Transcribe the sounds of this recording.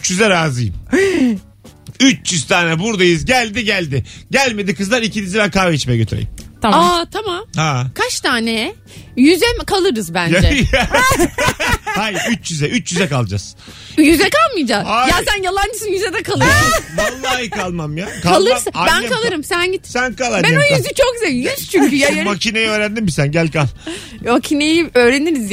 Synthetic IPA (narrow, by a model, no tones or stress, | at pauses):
t͡ʃjyzɛɾaːzɯjɯm | yt͡ʃjyzt̪ʰaːnɛbuɾd̪ajɯzɟælʲd̪iɟælʲd̪ɪɟælʲme̞d̪ikʰɯzlˠaɾicinizibænkʰaːveit͡ʃmejɛɟøt̪ʰyɾḛjḭmt̪ʰaat̪ʰamamhakʰaʃt̪ʰaːnɛɛ | jyzɛkʰalˠɯɾɯzbænd͡ʒd͡ʒɛ | hajɾyt͡ʃjyzɛʔyt͡ʃjyzɛkalˠd͡ʒaz̥ | jyzɛkalˠmɯjd͡ʒaajasænjalˠand͡ʒɯsɯnjyzɛd̪ɛkʰalˠɯɾmalˠːajkalˠmamjakʰaalˠɯɾsabænɛkʰalˠɯɾɯmsænɟit̪sænkalˠhabenojyzyt͡ʃʰok̚ɟyzɛlʲjyz̥t͡ʃʰyɲkʰyjamacʰinejɛøːɾænd̪immisænɟælʲkalˠ | macʰinejiø̞ːɾe̞niɾizj